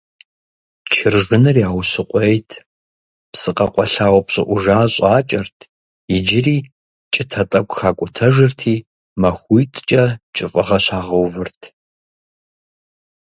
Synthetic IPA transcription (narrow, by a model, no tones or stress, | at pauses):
t͡ʃʰɪrʐɨnɨrjaːwsɨqʷʼɔjtʰ | psɨqɐqʷʼɔɬaːwpɕʼɪ̰ʔʷʊʒaːɕʼaːt͡ʃʼɐrtʰ | jɪd͡ʒɪriː | t͡ʃʼɪtʰɐtʼɐkʷʼxaːkʷʼʊtʰɐʒɨrtʰiː | mɐxʷujtʰt͡ʃʼɐt͡ʃʼɨfʼɐʁɐɕaːʁɐwvɨrtʰ